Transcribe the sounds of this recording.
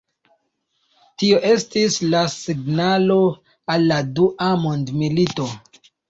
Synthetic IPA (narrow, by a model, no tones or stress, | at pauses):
tio̞ʔe̞stislasiɡnalo̞ | alːaduʔamondmilito̞